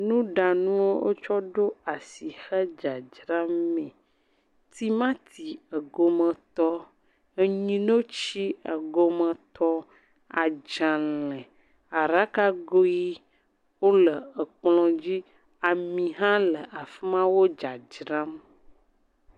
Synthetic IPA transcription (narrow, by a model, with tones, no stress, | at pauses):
nũ˦ɖa˨nũ˦wo˦wo̰˦t͡ʃɔ˦ɖo˦a˨si˨xə˦d͡ʒa˨d͡ʒɾa˦mmɛ̃˨ | t̪i˦mã˦t̪ʰi˨ə˨ɡo˨mə̃˨t̪ɔ˦ | ə˨ɲĩ˦no˦t͡ʃi˦ə˨ɡo˨mə̃˨t̪ʰɔ˦ | a˨d͡ʒã˨lɛ̃˨ | a˨ɾa˦ka˦ɡo˦ji˦ | wo˦lə˨ə˨k͡plɔ̃˨d͡ʑi˦ | a˨mĩ˨ɦã˦lə˨ʔa˨fi˦mã˦wo˦d͡ʒa˨d͡ʒɾã˦m